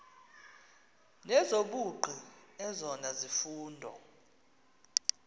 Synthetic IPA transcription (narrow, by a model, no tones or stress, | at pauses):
nɛzoɓuɡ͡ǃʱiɛzɔnazifuːndʱɔ̰